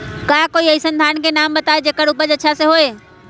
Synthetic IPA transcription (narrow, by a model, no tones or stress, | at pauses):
kaːkoːiəisənd̪ʱaːnkenaːmbɐt̪aːed͡ʒeːkəɽʊpəd͡ʒɐtːʃʰaseɦoːeː